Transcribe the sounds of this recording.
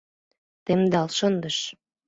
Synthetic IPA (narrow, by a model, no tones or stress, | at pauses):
t̪emd̪ɑlʃɤ̆nd̪əʃ